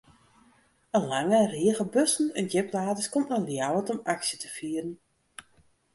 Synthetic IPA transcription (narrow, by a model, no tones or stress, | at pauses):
əlaŋəriəɣəbøsn̩ɛnjɪplaːdəskɔmtnɔljawətɔmaksjətəfiərn̩